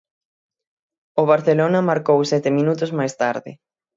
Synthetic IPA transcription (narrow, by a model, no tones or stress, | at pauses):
oβ̞aɾθelonɐmaɾkowsɛt̪ɪminut̪ʊzmajst̪aɾðɪ̰